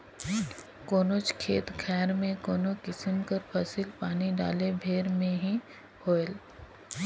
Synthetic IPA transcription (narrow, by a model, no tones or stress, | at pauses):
koːnot͡ʃkʰeːt̪kʰɛːɾmẽkoːnokɪsəmkəɾpʰɐsɪlpaːniɖa̰ːlebʱeːɾmẽɦĩ | hʰoːel